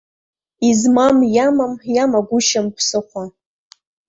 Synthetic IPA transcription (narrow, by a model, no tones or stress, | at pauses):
izmamjamamjamaɡʷʊʃampʰsɨχʷa